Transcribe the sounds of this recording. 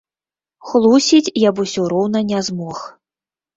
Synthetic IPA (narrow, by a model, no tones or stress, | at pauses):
xlˠusʲit͡sʲjabusʲɔɾɔwnɐnʲazmɔx